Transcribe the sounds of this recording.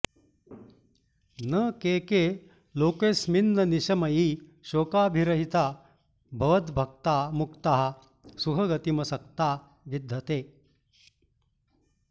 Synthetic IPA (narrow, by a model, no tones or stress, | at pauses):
nɐkeːkeː | loːkeːsminːɐniʃɐmɐjiːʃoːkaːbʱiɾɐɦit̪aː | bʱɐʋɐt̪bʱɐk̚t̪aːmukt̪aɦɐ̆ | sukʰɐɡɐt̪imɐsɐk̚t̪aː | ʋid̪ʱːɐt̪eː